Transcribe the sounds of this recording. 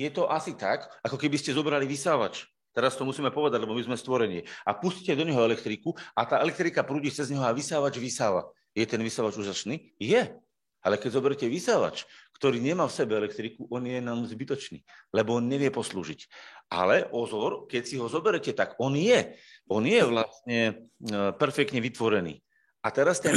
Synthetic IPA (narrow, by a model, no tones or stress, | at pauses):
jɛt̪ɔʔasit̪akakɔkɛbiscɛzɔbɾaliʋisaːʋa̰t͡ʃ | t̪ɛɾast̪ɔmusiːmɛpɔʋɛd̪aɟlɛbɔmizmɛst̪ʋɔɾɛɲɪɛapusccɛd̪ɔɲɛɦɔɛlɛkt̪ɾikuat̪aːɛlɛk̚t̪ɾikapɾuːɟit͡sɛzɲɦɔaʋisaːʋad͡ʒʋisaːʋa̰ | jɛt̪ɛnʋisaʋad͡ʒuːʒasniː | jɛ | alɛkɛɟzɔbɛɾɛcɛʋisaːʋa̰t͡ʃkt̪ɔɾiːɲɛmaːfsɛbɛɛlɛk̚t̪ɾikuʔɔnjɛnaːmzbit̪ɔt͡ʃnḭːlɛbɔnɲɛʋɪɛpɔslṵːʒicʔa̰lɛʔɔzʋɔɾkɛcsiɦɔzɔbɛɾɛcɛt̪aɡɔnjɛɔnjɛʋlastɲɛ | pɛɾfɛkt̪ɲɛʋit̪ʋɔɾɛnḭː | at̪ɛɾast̪ɛn